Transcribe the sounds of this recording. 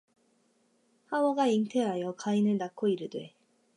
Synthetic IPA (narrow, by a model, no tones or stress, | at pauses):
hawʌɡaiŋtʰe̞ɦajʌkainɯɭnakʰoiɾɯdwe̞